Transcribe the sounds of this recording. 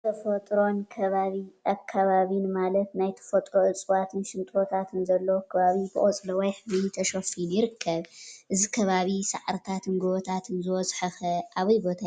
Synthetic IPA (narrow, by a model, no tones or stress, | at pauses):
t̪ʰɐfɐt̪ʼɾo̞nkʰɐβaβiʔakʰːaβaβinɨmalɐt̪najt̪ʰɐ̥fɐt̪ʼɾoʔɨt͡sʼɨwat̪ʰɨnʃɪnt̪ʼot̪ʰat̪ʰɨnzɐlːɐwokʰɐβaβibɨ̰ʔʼot͡sʼlɐwɐjħɨβit̪ʰɐʃofinjɪɾɨkʰːɐβʔɨzikʰɐβaβisaʕɾɨt̪ʰat̪ʰɨnɡoβɔt̪ʰat̪ʰɨnzɨwɔzʼħɐxɐʔaβɐjbo̞t̪ʰa